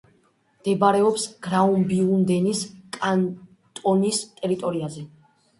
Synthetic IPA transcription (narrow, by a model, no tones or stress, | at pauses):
md̪̥ɛbaɾɛɔpsɡ̥ɾaumbiund̪ɛniskʼan | t̪ʼɔnist̪ʼɛɾit̪ʼɔɾiazɛ